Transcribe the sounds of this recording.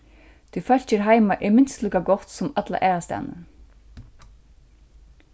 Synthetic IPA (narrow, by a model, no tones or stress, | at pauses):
t̪ʰʏfœl̥t͡ɕɪɾɦaːjmaʔɪmɪnst̪lɛkaɡɔht̪sʊmat̪la̰ʔɛːɾast̪a̰ːnə̰